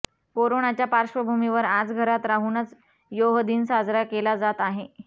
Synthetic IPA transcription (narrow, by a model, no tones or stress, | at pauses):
koɾonat͡ɕjapaɾʂʋəbʱumiʋəɾad͡zɡʱəɾat̪ɾaɦuːnət͡s | joɦd̪iːnsad͡zɾakelad͡zat̪aɦe